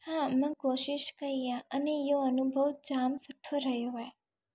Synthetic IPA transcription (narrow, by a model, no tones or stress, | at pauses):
hãmə̃koʃɪʃkəɾijãənejoənubʱəwd͡ʒamsʊʈʰːoɾəɦjoɦɔj